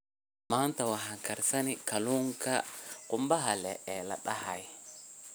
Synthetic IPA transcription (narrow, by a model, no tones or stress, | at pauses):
maːnt̪ɐwaɦaŋkɐɾsɐnɪkɐluːŋkʰɐqʼʊmbɐɦɐlɛɛlɐ̰ɗɐhaj